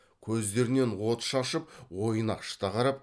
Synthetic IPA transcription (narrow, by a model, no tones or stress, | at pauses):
kʲʰɵzd̪e̞ɾɪne̞nwo̞t̪ʃɑʃəp̚wo̞jənɑ̰qʃə̥t̪ɑqɑɾɑp